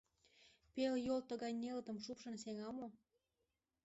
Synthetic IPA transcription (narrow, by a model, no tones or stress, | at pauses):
peljolt̪əɣɑjnelət̪ə̆mʃupʃə̆nseŋɑmo